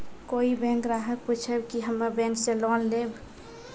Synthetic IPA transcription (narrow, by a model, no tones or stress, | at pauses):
koibɛ̃ŋkɾaɦək̚put͡ʃʰəbkiɦəmːəbɛ̃ŋksẽlɔlleb